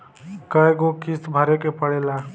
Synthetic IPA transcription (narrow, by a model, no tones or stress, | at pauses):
kəeɡokist̪bʱəɾekepəɽela